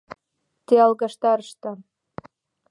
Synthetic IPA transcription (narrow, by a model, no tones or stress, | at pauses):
t̪eɑlɣɑʃt̪ɑɾəʃt̪ɤ̆